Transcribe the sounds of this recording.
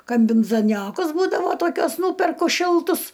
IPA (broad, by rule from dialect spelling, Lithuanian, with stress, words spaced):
kɐmʲbʲɪnzɐˈnʲoːkʊs ˈbuːdɐʋoː ˈtoːkʲuɔs ˈnuːpʲɛrkʊ ˈʃʲɪlˠtʊs